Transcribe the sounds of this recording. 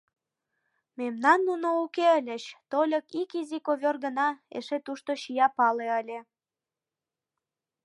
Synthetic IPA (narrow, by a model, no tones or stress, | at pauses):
memnɑnːunoukeəlʲəɕt̪olʲəkikizikoβʲørɣə̆nɑḛʃet̪uʃt̪oɕijɑpɑleəlʲe